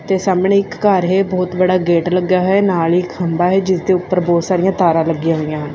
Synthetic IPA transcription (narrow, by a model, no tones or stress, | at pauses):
t̪eːsaːmneːɪkːaːɾɦeːbɔːt̪bəɽaːɡeːʈləɡaːɦɛːnaːlɪkhəmbaːɦɛːd͡ʒɪsd̪eːʊpːəɾbɔːt̪saːɾijãːt̪aːɾãːləɡːijãɦoːijãːɦn